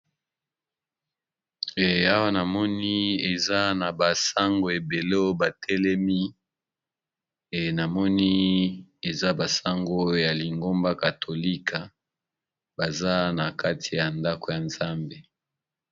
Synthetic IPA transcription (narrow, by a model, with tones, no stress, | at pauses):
e˨a˦wa˦na˨mɔ˦ni˦e˨za˦na˨ba˨sa˦ŋɡo˨e˨be˨lo˦ba˨tʰɛ˦lɛ˦mi˦ | e˨na˨mɔ˦ni˦e˨za˦ba˨sa˦ŋɡo˦ja˨li˨ŋɡo˦mba˦ka˨tʰo˨li˦kʰa˨ | ba˨za˦na˨ka˦ti˨ja˨nda˦ko˨ja˨nza˦mbe˨